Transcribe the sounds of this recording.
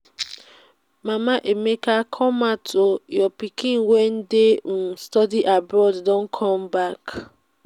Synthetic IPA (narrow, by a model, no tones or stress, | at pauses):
mamaʔemekakʰɔmatʰojɔpikĩnwen̩destɔdiʔabɾɔddɔ̃n̩kʰɔmbak